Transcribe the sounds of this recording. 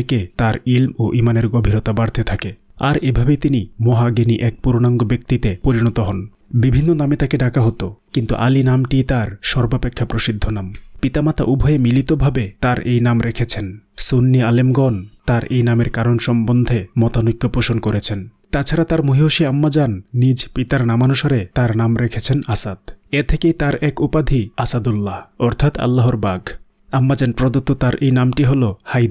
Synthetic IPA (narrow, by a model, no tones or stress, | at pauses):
ket̪aɾilmoʔimaneɾɡobʱiɾot̪abaɾt̪ʰet̪ʰakea̰ɾebʱabet̪inimoɦaɡeniʔɛk̚puɾonaŋɡobek̚t̪it̪epoɾinɔt̪oɦɔn | bibʱinːonamet̪akeɖakaɦot̪okint̪ṵʔa̰linamʈit̪aɾʃɔɾbapekʰːapɾoʃid̪ʱːonampit̪amat̪aʔubʱɔjemilit̪obʱabet̪aɾʔejnamɾekʰet͡ɕʰensonːialemɡɔnt̪aɾʔejnameɾkaɾonʃɔmbond̪ʱemɔt̪anukːjopoʃonkoɾet͡ɕʰent̪at͡ɕʰaɾat̪aɾmoɦioʃiamːad͡ʑanːid͡ʑpit̪aɾnamanuʃaɾet̪aɾnamɾekʰet͡ɕʰenasad̪̥et̪ʰekejt̪aɾɛkupad̪ʱiasad̪ulːaɔɾt̪ʰat̪a̰lːaɦoɾbaɡ | amːad͡ʑanpɾod̪ot̪ːot̪aɾʔejnamʈiɦolohajd̪